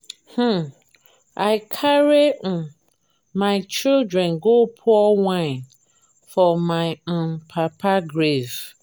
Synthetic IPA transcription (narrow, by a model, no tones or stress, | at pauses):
h̩ | aɪkʰaɾen̩ | mãɪt͡ʃildɹɛ̃nɡopʰʊɔwãn | fɔmãɪɔ̃npʰapʰaɡɾes